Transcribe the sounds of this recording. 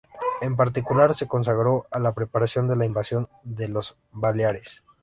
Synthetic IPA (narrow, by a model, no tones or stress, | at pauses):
e̞mpaɾt̪̬ikulaɾse̞ko̞ns̬aɣɾo̞alapɾe̞paɾasjo̞nd̪e̞laimbasjo̞nd̪e̞lo̞z | baljaɾes